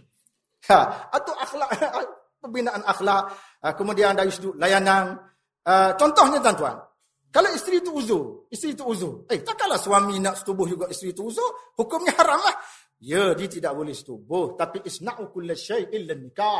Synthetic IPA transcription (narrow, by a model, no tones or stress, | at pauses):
jaat̪uʔaxlaʔ | pəbinaʔanaxlaʔ | əkəmudiandajusduʔlajanan | ət͡ʃɔnt̪ɔhɲət̪̬ant̪ua̰n | kalaist̪ɾit̪uuzʊist̪ɾit̪uːzʊejt̪akaʔlahswaminaʔsə̥t̪ubʊhd͡ʒuɡaʔist̪ɾit̪uːzʊhukʊmɲəhaɾamlah | jədiət̪idaʔbolɛhsə̥t̪ubʊht̪apiʔɪsnaʔukʊlːʃejʔɪlːanːika